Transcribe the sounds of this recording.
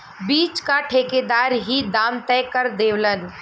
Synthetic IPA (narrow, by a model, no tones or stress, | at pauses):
biːt͡ʃkaʈʰeːked̪aːɾɦid̪aːmt̪ɛːkəɾd̪eːʋlən